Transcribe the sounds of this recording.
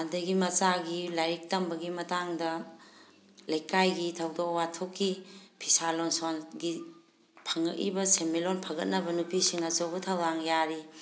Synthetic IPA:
andɐɡimɐt͡ʃaɡilajɾik̚tɐmbɐɡimɐtaŋdɐ | lɐjkajɡitʰɐwdokwatʰokʰːipʰisalonsonɡi | pʰɐŋɐkḭbɐsemilonpʰɐɡɐt̚nɐbɐnupisiŋɐsɐwɡutʰawdaŋjaɾi

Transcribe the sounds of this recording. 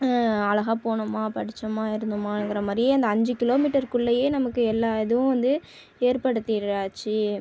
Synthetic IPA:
ɐlɐɣaːpoːɳɯmaːpɐɽɪt͡ʃːɐmaːɪɾɯnd̪ɯmaːŋɡɪɾɐmaːd̪ɾɪjeːɐnd̪ɐɐɲd͡ʒɯkɪloːmiːʈɐɾkʊɭːɐjeːnɐmɐkːɯɛlːaːɛðɯʋʊ̃ʋɐnd̪ɯ | eːɾpɐɽɯt̪ːiɾaːt͡ʃːi

